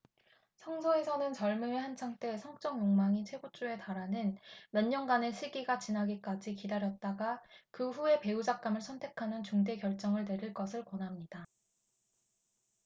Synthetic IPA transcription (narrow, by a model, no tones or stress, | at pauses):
sʰʌŋsʰoe̞sʰʌnɯnt͡ɕʌɭmɯehant͡ɕʰaŋt͈e̞sʰʌŋt͡ɕ͈ʌŋjoŋmaŋit͡ɕʰe̞but͡ɕ͈ue̞taɾanɯnmʌɲːʌŋɡane̞sʰiɡiɡat͡ɕinaɡik͈ad͡ʑikidaɾjʌt̚t͈aɡakɯɸue̞pe̞ud͡ʑak̚k͈amɯɭsʰʌntʰe̞kʰanɯnt͡ɕuŋde̞kjʌɭt͡ɕ͈ʌŋɯɭne̞ɾiɭk͈ʌsʰɯɭkwʌnɦamɲida